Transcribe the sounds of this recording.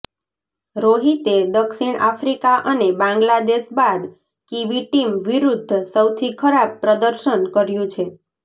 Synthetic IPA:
ɾoɦit̪ed̪əkʃiɳafɾikaʔənebãŋɡlad̪eʃbad̪ | kiʋiʈimʋiɾud̪ʱːsəwt̪ʰikʰəɾab̚pɾəd̪əɾʃənkəɾjũt͡ʃʰe

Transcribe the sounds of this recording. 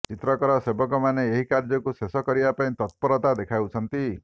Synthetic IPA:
t͡ʃit̪ɾɔkɔɾɔsebɔkɔmaneːɦikaɾd͡ʒɔkusesɔkɔɾibapaĩt̪ɔt̪̚pɔɾɔt̪ad̪ekʰawt͡ʃʰɔnt̪i

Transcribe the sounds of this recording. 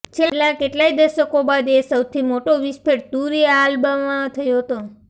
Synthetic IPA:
t͡ʃʰelakeʈlaid̪əɾʃəkobad̪esəwt̪ʰimoʈoʋispeʈ̚d̪uɾialbəʋãt̪ʰəjoɦət̪o

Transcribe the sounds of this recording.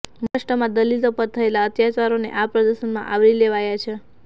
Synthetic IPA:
məʂʈəmãd̪əlilsəpət̪t̪ʰːəelaət̪jat͡ʃaɾonḛʔapɾəd̪əsənmã̰ʔaʋɾileʋajat͡ʃʰe

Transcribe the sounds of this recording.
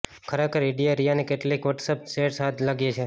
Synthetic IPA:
kʰəɾekʰəɾɪɖijaɾijanekeʈlikʋəʈsəp̚seʈsɦad̪laɡjet͡ʃʰe

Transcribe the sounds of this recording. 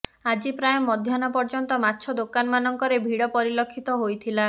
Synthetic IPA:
ad͡ʒipɾajɔmɔd̪ʱjanɔpɔɾd͡ʒɔnt̪ɔmatːt͡ʃʰɔd̪okanɔmanɔŋkɔɾebʱiɽɔpɔɾilɔkʰːit̪ɔɦojt̪ʰila

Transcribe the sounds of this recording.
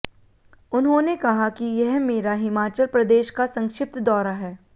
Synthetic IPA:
ʊnɦõnekɐɦakijɛɦmeːɾaɦɪmaːt͡ʃəlpɾɐd̪eːʃkasɐ̃ŋkʃɪp̚t̪d̪ɔːɾaɦɛː

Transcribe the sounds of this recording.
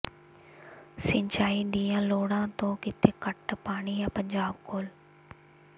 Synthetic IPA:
sɪ̃ɲt͡ʃaːid̪iːãːloːɽãːt̪oːkɪt̪ʰekɐʈpaːɽ̃ijãːpɐɲd͡ʑaːbkoːl

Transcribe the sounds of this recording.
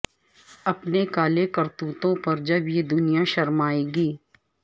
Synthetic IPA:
ɐpnekaːlekɐɾt̪uːt̪õpɐɾd͡ʒɐbjed̪ʊnijaʃɐɾmaːeːɡiː

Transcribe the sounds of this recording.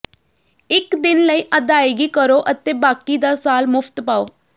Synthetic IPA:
ɪkd̪ɪnləiːʔəd̪aːeːɡiːkəɾoːʔət̪eːbaːkiːd̪aːsaːlmʊfʰt̪paːoː

